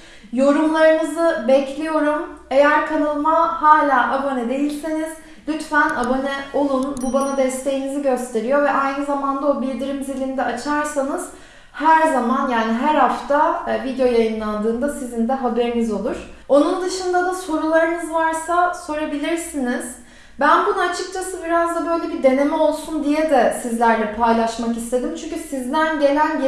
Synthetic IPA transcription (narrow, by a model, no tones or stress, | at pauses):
jo̞ɾumlˠaɾɯnɯzɯbɛclʲijo̞ɾume̞jæɾkʰanalˠmahaːlʲaːʔabonɛd̪e̞jilʲseniz | lʲyt̪fænabonɛo̞lˠunbubanad̪ɛst̪ʰe̞jiniziɟø̞st̪ʰe̞ɾijo̞vɛʔajnɯzamand̪ao̞bilʲd̪iɾimzilʲind̪ɛat͡ʃʰaɾsanɯz̥ | hæɾzamanjaːniɦæɾhaft̪ʰavid̪jo̞jajɯnlˠand̪ɯːnd̪asizind̪ɛɦabe̞ɾinizo̞lˠuɾ̥o̞nund̪ɯʃɯnd̪ad̪aso̞ɾulˠaɾɯnɯzvaɾsaso̞ɾabilʲiɾsiniz̥ | bænbunaat͡ʃʰɯk̚t͡ʃʰasɯbiɾazd̪abø̞jlʲe̞bid̪e̞ne̞mɛo̞lˠsund̪ijɛd̪ɛsizlʲæɾlʲɛpʰajlˠaʃmakist̪ʰe̞d̪imt͡ʃʰyɲcʰysizd̪ænɟe̞lʲænj